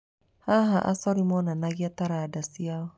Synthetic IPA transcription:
haɦaʔa̰sɔɾimɔnanaɣiat̪aɾadasia

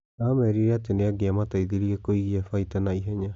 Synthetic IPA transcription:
amɛɾiɾɛat̬eneaɡeamataiðiɾiɛkoiɣiafaitɛnaiɦɛɲa

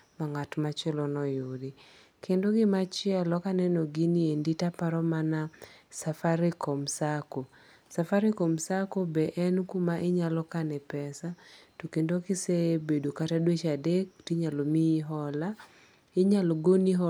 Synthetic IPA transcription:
maŋatmat͡ʃɛlɔnɔjodɪ | kendoɡɪmat͡ʃɪɛlɔkanɛnɔɡinienditapaɾɔmanasafaɾɪkomsako | safaɾɪkomsakobɛʔɛnkumaʔɪɲalɔkanɛpɛsatokendokɪsebedokatadwet͡ʃadektiɲalomiɦɔla | ɪɲaloɡoniɦɔ

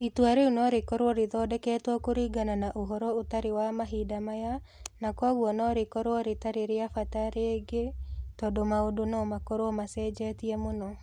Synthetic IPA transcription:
itwaɾeunɔɾekɔɾwɔɾeðɔːdɛkɛːtwɔkoɾiɡananaʔoɦɔɾɔotaɾewamaɦidamaja | nakwaɣwɔnɔɾekɔɾwɔɾetaɾeɾeafataɾeːɡetɔdɔmaodonɔmakɔɾoɔmasɛd͡ʒɛtiɛmonɔ

